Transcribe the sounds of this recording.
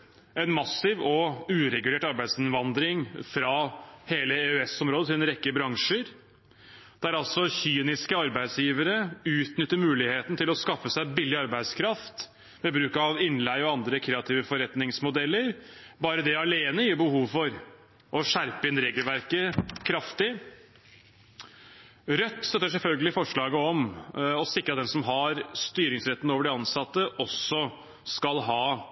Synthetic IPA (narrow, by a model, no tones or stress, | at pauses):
ɛnmɑsɪʋɔʉːɾɛɡʉleːʈɑɾbæɪd̪sɪnʋɑnd̪ɾɪŋfɾɑheːləeʉɛsɔmɾoːd̪ət̪ʰɪlɛnɾɛkːəbɾɑŋʂəɾ | d̪̥ɛæɾɑlsɔçyːnɪskəɑɾbæɪd̪sjiːʋəɾəʉːt̪nʏt̪ːəɾmʉːlɪheːt̪n̩t̪ʰɪlɔskɑfːəsæɪbɪlːɪɑɾbæɪd̪skʰɾɑft̪ | mɛbɾʉːkɑʋɪnlæɪɔɑnd̪ɾəkʰɾeːɑt̪ʰiːʋəfɔɾɛt̪nɪŋsmʊd̪ɛlːəɾbɑːɾəd̪ɛɑleːnəjiːbəhuːʋfɔɾ | ʔɔʂæɾpəɪnɾeːɡəlʋæɾkəkʰɾɑft̪ɪ | ɾœt̪ːst̪œt̪ːəʂ̬ɛlfœlɡəlɪfɔʂɭɑːɡəɔmɔsɪkːɾɑt̪̚d̪ɛnsɔmɦɑɾst̪yːɾɪŋsɾɛt̪ːənəoːʋəɖɛɑnsɑt̪ːəʔɔsɔ | skɑlɦɑː